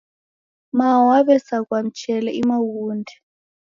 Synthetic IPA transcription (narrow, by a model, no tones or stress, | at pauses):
mawaβɛsak̬wam̩t͡ʃʰʼɛlɛimawuːndʱɛ